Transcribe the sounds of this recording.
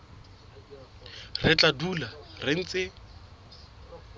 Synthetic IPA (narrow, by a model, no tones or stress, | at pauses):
rɪt͡ɬʼadularɪŋ̩t͡sʼɪ